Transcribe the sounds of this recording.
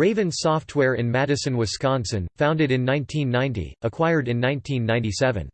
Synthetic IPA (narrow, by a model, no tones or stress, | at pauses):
ɹeɪvɨ̃nsɔft̚ʰwɛɹɪ̃nmæɾɨsɨ̃nwɨz̥skɑ̃nsɨ̃nfãʊ̃ndɨɾɨ̃nːãɪ̃ntʰĩnːãɪ̃ntḭʔəkʰw̥aɪə˞ɾɨ̃nːãɪ̃ntʰĩnːãɪ̃ntisɛvɨ̰̃n